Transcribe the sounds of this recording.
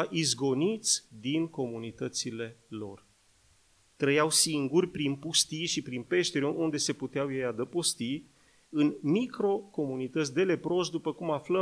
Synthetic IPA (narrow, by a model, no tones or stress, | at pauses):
aʔizɡo̞nit̪sʲd̪inko̞munit̪ət̪sile̞lo̞̰r | t̪ɾəjawsiŋɡurʲpɾinpust̪ijʃipɾinpe̞ʃt̪eɾeʔund̪e̞se̞put̪eawjejad̪əpost̪i | ɨnmikɾo̞ko̞munit̪ət̪sʲd̪e̞le̞pɾo̞ʃd̪upəkumaflə